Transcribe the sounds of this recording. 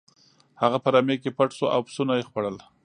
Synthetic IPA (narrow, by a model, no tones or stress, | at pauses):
haɣapəɾamekepaʈsoʔawpsunajexpaɽəl